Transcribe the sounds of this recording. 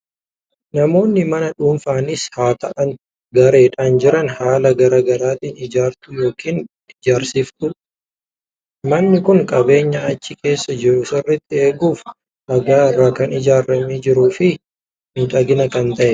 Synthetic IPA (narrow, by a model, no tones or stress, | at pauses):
nɐmo̞ːnːɪmɐnɐᶑuːnfaːnɪshaːt̪ɐʔɐn | ɡɐɾe̞ːᶑaːnd͡ʒɪɾɐnhaːlɐɡɐɾaːɡɐɾaːt̪iːnɪd͡ʒaːɾt̪ʊjo̞ːkiːn | ɪd͡ʒaːɾsift̪ʊ | mɐnːɪkʊŋkʼɐbe̞ːɲːɐɐt͡ʃːɪke̞ːsːɐd͡ʒɪɾʊsɪrːɛt̪ːɪeːɡuːf | ʔɐɡaːɪrːaːkɐnɪd͡ʒaːɾːɐmiːd͡ʒɪɾuːfɪ | nʊᶑɐɡɪnɐkɐnt̪ɐʔɛ